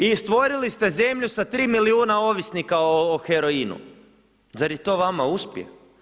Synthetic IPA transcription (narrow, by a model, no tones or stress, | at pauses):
ist̪ʋo̞ɾilist̪e̞ze̞mʎusat̪ɾiːmiliuːnao̞ʋisnikaoːxeɾo̞inṵ | zaɾjet̪o̞ːʋamauspjḛ